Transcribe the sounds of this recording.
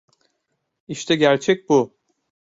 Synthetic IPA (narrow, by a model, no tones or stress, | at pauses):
iʃt̪ʰɛɟæɾt͡ʃʰɛc̚bu